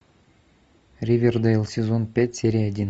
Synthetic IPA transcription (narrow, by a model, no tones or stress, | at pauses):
rʲivʲerd̪əlˠsʲezonpʲætʲsʲeɾʲijɐdʲin